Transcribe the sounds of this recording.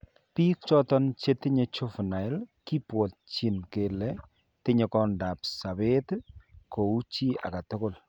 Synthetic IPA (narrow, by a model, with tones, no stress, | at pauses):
piː˦k̚t͡ʃɔ˦tɔ˦nt͡ʃe˦tɪ˦ɲe˦t͡ʃo˦fna˨ɪ˦lki˦pwɔ˨t̚t͡ʃi˨nke˨lɛ˦ | tɪ˦ɲe˨kɔ˦nda˨p̚sa˨be˦tko˨u˦t͡ʃi˦a̰˨ka˨tʊ˦ko˦˨l